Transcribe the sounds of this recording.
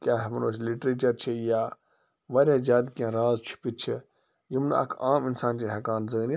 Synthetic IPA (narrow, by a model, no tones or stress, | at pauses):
kʲaːɦmɐnoːsliʈɾeːt͡ʃɐɾt͡ʃʰijaː | ʋaɾʲjaːzʲaːd̪kãːɾaːzt͡ʃʰi̥pit͡ʃʰi | jimna̰ɐ̰kʰaːmɪnsaːnt͡ʃeɦɐkaːnzən